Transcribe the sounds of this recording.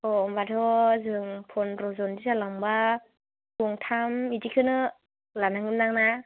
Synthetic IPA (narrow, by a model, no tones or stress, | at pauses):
ɔɔmbatʰɔzɯŋpʰɔnɾɔzɔndizalaŋba | kuŋtʰamidikʰɯnɯ | lanaŋɯnnaŋna